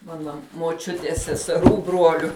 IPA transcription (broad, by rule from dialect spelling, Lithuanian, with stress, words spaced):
ˈmɑːnɐ moːˈt͡ʃʲʊtʲiɛs sʲɛsʲɛˈruː ˈbruɔlʲʊ